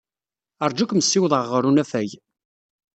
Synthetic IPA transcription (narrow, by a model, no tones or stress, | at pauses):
əɾˤd͡ʒækʷməsːiwðˤəʁəɾunæfæj